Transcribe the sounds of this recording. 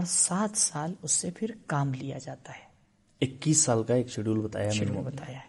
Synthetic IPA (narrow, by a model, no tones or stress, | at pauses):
ɔːɾsaːt̪saːlʊsːepʰɪɾkaːmlijad͡ʒaːt̪aɦɛː | ɪkːiːsːaːlkaeːkʃɪɖuːlbɐt̪a̰ːjamɛbɐt̪aːja